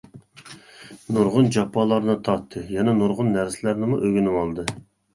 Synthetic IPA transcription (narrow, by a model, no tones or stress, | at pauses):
nuɾʁʊnd͡ʒɑpʰːɑlˠɑɾnɨt̪ʰɑt̪ʰːɨjɛnɛnuɾʁʊnːæɾsɪlæɾnɪmuʔøɡʲynɪwɑlˠd̪ɨ